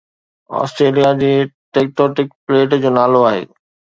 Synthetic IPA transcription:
ɔ̰ːsʈɾeːlijad͡ʑiːʈek̚ʈoːʈɪk̚pleːʈd͡ʑoːnaːloaːɦḛː

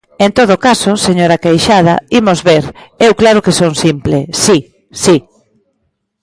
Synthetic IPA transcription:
ent̪oð̞okasoseɲoɾakejʃað̞ɐ̰imozβeɾɛwklaɾʊkesoŋsimplesi | si

